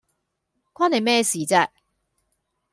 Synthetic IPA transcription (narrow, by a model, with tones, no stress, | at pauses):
kʷʰaː˥ne˨jmɛː˥siː˨t͡sɛː˧